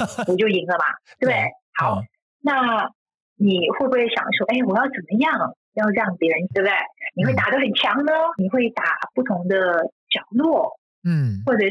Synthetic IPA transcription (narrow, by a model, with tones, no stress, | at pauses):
wɔ˨˩t͡ɕjo˥˩ʊi˧˥ŋlə˧mɐ̰˨˩t̪we˥˩ɪxɑ˨˩˦ʊ | na˥˩ | ni˨˩xwe˥ɪbu˧we˥˩ɪɕjɑ̰˨˩ŋʂwɔ˥ʔe˥˩ɪwɔ˨˩jɑ˥˩ʊt͡sə˨˩nmə˦jɑ˥˩ŋ˩ | jɑ˥˧ʊʈ͡ʂɤ˥˧jɑ˥˩ŋpjɛ˧˥ɻə˧˥ne˥˩bd̪ə˩ɪni˨˩xwe˥˩ɪt̪a˨˩d̪ə˦xə˨˩nt͡ɕʰjɑ˧˥ŋnə˧ni˨˩xwe˥˩ɪt̪a˨˩pu˥˩t̪ʰʊ˧˥ŋd̪ə˧t͡ɕjɑ˨˩ʊlwɔ˥˩ | xwɔ˥˩ʈ͡ʂɤ˨˩